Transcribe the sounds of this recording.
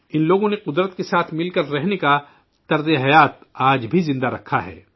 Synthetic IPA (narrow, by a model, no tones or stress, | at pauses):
ɪnloːɡõneqʊd̪ɾət̪kesaːt̪ʰmɪlkɐɾːɛɦneka | t̪ɐɾzeɦɐjaːt̪̚aːd͡ʒbʱizɪ̃nd̪aɾɐkʰːaɦɛ̰ː